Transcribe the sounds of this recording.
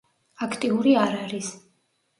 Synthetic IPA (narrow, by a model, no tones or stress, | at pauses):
akʰt̪ʼiuɾiaɾaɾis